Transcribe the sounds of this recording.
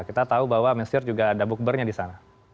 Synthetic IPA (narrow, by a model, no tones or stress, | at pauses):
kit̪at̪aubaɦwaməsɪrd͡ʒuɡadabʊk̚bərɲadisana